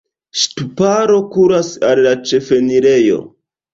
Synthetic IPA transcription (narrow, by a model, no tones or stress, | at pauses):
stupaɾo̞kuɾasalːat͡ʃe̞fe̞niɾe̞jo̞̰